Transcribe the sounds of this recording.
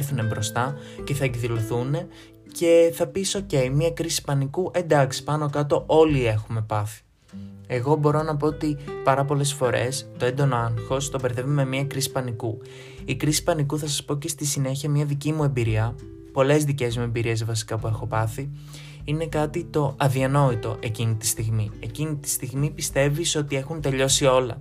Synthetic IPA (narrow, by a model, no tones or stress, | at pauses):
θune̞bɾo̞st̪ɐce̞θɐeɡðiloθune̞ | ce̞θɐpiso̞ce̞imiɐkɾisi̥pɐnikuʔe̞nd̪ɐksi̥pɐno̞kɐt̪o̞ʔo̞lie̞xume̞pɐθi̥ | e̞ɣo̞bo̞ɾo̞nɐpo̞ot̪ipɐɾɐp̬o̞le̞sfo̞ɾe̞̰st̪o̞end̪o̞noɐŋxo̞st̪o̞beɾθe̞vime̞miɐkɾisi̥pɐniku | ikɾisi̥pɐnikuθɐsɐspo̞cest̪isine̞çiɐmɲɐðicimue̞mbiɾiɐ | po̞le̞zðice̞zmue̞mbiɾie̞zvɐsi̥kɐpue̞xo̞pɐθi | ine̞kɐt̪it̪o̞ɐðiɐno̞it̪o̞ʔe̞cinit̪i̥st̪iɣmie̞cinit̪i̥st̪iɣmipist̪e̞viso̞t̪ie̞xunt̪e̞ʎo̞sio̞lɐ̰